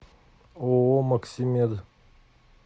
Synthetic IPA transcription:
omɐksʲimed̪

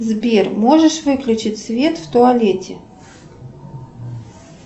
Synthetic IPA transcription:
zbʲermoʐəʂvɨklʲʊt͡ɕɪtʲsvʲet̪ft̪ʊalʲetʲʰɪ

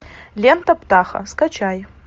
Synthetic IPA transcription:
lʲent̪ɐpt̪ʰaːχɐ̰skɐt͡ʃʰaj

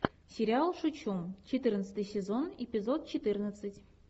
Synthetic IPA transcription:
sʲeɾʲialˠʂut͡ɕumt͡ɕet̪ɨrnət̪sə̥t̪ɨjsʲezonepʲizot̪̚t͡ɕet̪ɨrnət̪sətʲ

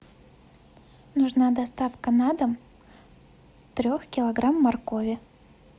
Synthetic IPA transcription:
nʊʐnad̪ɐst̪afkənad̪əm | t̪ɾʲo̞xkʲɪlˠɐɡɾamːɐrkovʲɪ

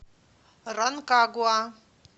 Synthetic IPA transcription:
ɾənkaɡua

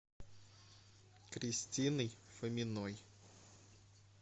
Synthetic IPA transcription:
kɾʲisʲtʲinɨjfəmʲɪnɔj

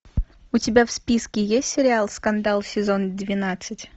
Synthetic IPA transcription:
ʊtʲɪbʲafspʲiskʲɪjesʲtʲsʲɪɾʲɪalˠskɐnd̪alˠsʲɪzond̪vʲɪnat̪sɨtʲ

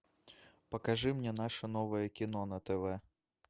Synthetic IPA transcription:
pɐkaʐɨmnʲɛn̪aʂɐn̪ɔvɐjɐkʲin̪ɔnɐt̪ɛvɛ

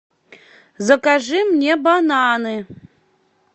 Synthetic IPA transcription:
zakʼaʐɨmnʲebanaːnɨ

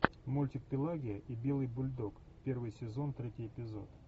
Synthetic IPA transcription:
mulʲtʲɪk̚pʲɪlˠaɡʲɪjəʔibʲe̞lˠɨjbʊlʲd̪ok | pʲe̞rvɨjsʲɪzo̞nt̪ɾʲetʲɪjɪpʲɪzo̞̰t̪

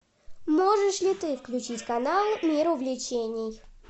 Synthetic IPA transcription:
moʐɨʂlʲɪt̪ɨfklʲʉt͡ɕitʲkɐnalˠmʲiɾʊvlʲɪt͡ɕenʲɪj

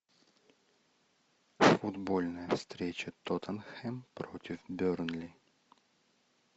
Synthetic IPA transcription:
fʊd̪bolʲnəjəfst̪ɾʲet͡ɕət̪ot̪ʰənxɛmpɾotʲɪfbʲørnlʲɪ

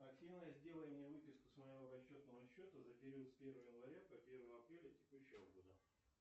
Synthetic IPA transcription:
ɐktʲivnəjəzʲdʲe̞lˠənʲɪjəvɨpʲɪskʊ̥sməjɪvoɾɐɕːo̞t̪nəvəɕːo̞t̪əzəpʲɪɾʲit̪spʲe̞rvəjəjənvɐɾʲapɐpʲe̞rvəjəɐpɾʲelʲətʲɪkuɕːɪvəɡod̪ə

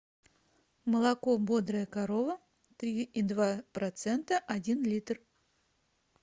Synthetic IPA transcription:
məlˠakobod̪ɾəjəkaɾovə | t̪ɾʲiid̪vapɾɐt̪sɛnt̪əʔadʲinlʲit̪r

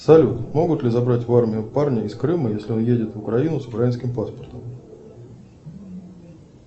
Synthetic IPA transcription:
sɐlʲut̪mo̞ɡʊt̪lʲɪzɐbɾatʲvarmʲɪjʊfparnʲɪɪskɾɨməjesʲlʲɪo̞njedʲɪt̪vʊkɾɐinʊsʊkɾɐinskʲɪmpaspərt̪əm

